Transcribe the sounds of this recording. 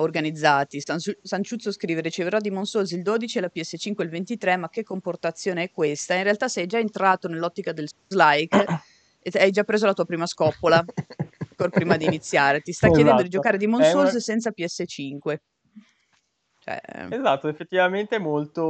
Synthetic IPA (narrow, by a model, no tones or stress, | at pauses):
orɡanid̪zːaːt̪isasant͡ʃut̪sːoskɾiːveɾit͡ʃeveɾad̪ːimonsolsild̪oːd̪it͡ʃiɛlapiɛsːet͡ʃiŋkweilvent̪it̪ɾɛmak̟ːekːomport̪at̪sːjoːneɛkːwest̪ainrealt̪asɛjd͡ʒaent̪ɾaːt̪onelːɔt̪ːikad̪elzlajk | eajd͡ʒapːɾeːzolat̪uːapɾiːmaskɔpːolaaŋkorpɾiːmad̪iːnit̪sːjaːɾet̪ist̪akjed̪ɛnd̪od̪id͡ʒokaːɾed̪imonsolssɛnt̪sapiɛsːet͡ʃiŋkwe | t͡ʃoɛ̰ezat̪ːoefːet̪ːivament̪eɛmolt̪o